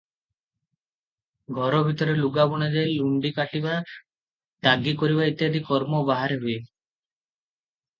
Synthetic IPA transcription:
ɡʱɔɾɔbʱit̪ɔɾeluɡabɔɽ̃ed͡ʒajluɳɖikaʈiba | d̪aɡikɔɾibait̪jad̪ikɔɾmɔbaɦaɾeɦue

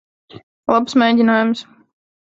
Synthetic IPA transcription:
lˠapsmɛjdʲinajʊms

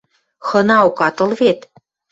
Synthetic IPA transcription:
xɤ̆nɑukɑt̪ɤ̆lβet̪

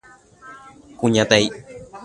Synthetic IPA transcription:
kuɲãt̪ej

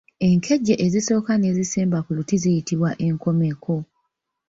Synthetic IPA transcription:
e̞ŋkʰe̞ɟːeʔeziso̞ːkane̞ziseːmbakulutizijitiβwaʔe̞ŋko̞me̞kʰo̞

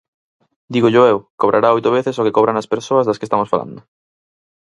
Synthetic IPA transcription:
d̪iɣoʎoewkoβ̞ɾʔaɾaojt̪oβeθesokekoβɾanɐspeɾsoɐzðɐskest̪amosfalã̰nd̪ʊ

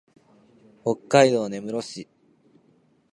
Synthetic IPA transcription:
ho̞kːaid̪o̞ːne̞mɯ̟ɾo̞ɕi

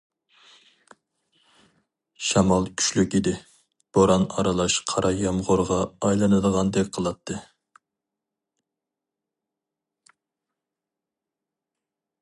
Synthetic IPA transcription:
ʃɑmɑlˠkʲʰy̥ʃlykʲɪd̪ɪ | b̥oɾɑnɑ̰ɾɑlˠɑʃqʰɑɾʔɑjɑmʁoɾʁɑːjlˠɑnɨd̪əʁɑnd̪ɛk̚ʲqʰəlˠɑt̪ʰːɨ

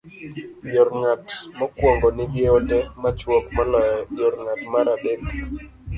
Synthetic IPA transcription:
jɔrŋatmɔkwɔŋɡɔnɪɡjeotɛmat͡ʃwɔkmalɔjɔjɔrŋatmaɾadek

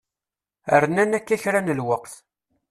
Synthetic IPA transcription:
ə̰ɾnænækːæçɾanəlwəqθ

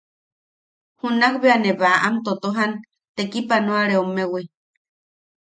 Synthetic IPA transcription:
hunakβeaneβaʔamt̪ot̪oɦan | t̪ekipanoaɾeomewi

